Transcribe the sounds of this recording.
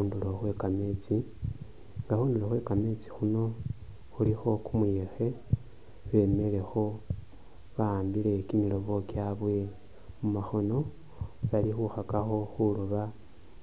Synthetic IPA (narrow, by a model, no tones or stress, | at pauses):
uːnduloxwe̞kame̞t͡si | ŋɡaxuːnduloxwe̞kame̞t͡si̥xuno̞ | xulixo̞kumujexe̞ | βe̞me̞le̞xo̞ | βaːmbile̞kimilo̞βo̞kjaβwe̞ | mumaxo̞no̞ | βalixuxakaxo̞xuluβa